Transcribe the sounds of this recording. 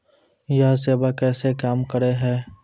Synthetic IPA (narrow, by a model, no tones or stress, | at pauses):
jaɦseːbakɛːsekaːmkəɾeɦɛː